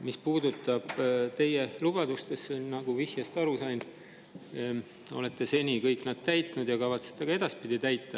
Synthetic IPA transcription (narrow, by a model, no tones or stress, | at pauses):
mispuːd̪ut̪ˑːɑb̥t̪e̞jelub̥ɑd̪ust̪e̞sːennɑɡ̥uvihjest̪ɑɾusɑjn | o̞̰le̞t̪ːe̞se̞nʲikɤjkˑnɑd̪̥̚t̪æjt̪ˑnud̪jɑkɑvɑt̪set̪ːˑeɡɑe̞d̪̥ɑspid̪̥it̪æjt̪ːˑɑ